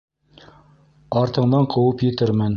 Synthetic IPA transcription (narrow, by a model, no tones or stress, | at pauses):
ɑɾt̪ɤ̆ɴd̪ɑɴqʰɤ̆wɤpjɘ̆t̪ɘɾmɘn